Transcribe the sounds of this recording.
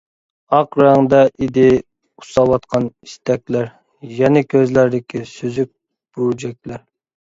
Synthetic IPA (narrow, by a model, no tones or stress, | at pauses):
ɑqɾɑŋd̪ɑʔid̪ɪ | u̥sɑwɑt̪qʰɑniʃt̪ɛkʲlæɾ | jɛnɛkʲʰøzlæɾd̪ɪkʲʰisyzyk̚ʲ | b̥yd͡ʒɛk̚ʲlæɾ